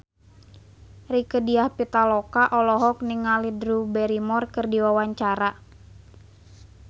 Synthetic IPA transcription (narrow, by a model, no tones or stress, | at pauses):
rikədiahpit̪alɔkaʔɔlɔɦɔk̚niŋalidɾubɛɾimɔrkɨrdiwawaɲt͡ʃaɾa